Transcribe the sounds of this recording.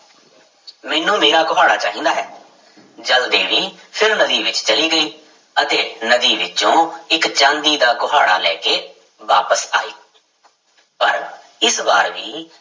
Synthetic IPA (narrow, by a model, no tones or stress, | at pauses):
mɛːnũːmeːɾaːɡʊɦaːɽaːt͡ʃaːɦĩːnd̪aːɦɛː | d͡ʒəld̪ẽːʋiːpʰɪɾnəd̪iːʋɪt͡ʃt͡ʃəliːɡəiː | ət̪eːnəd̪iːʋɪt͡ʃõːɪkt͡ʃãːnd̪iːd̪aːɡʊɦaːɽa̰ːlɛːkeː | ʋaːpəsaːiː | pəɾ | ɪsbaːɾʋiː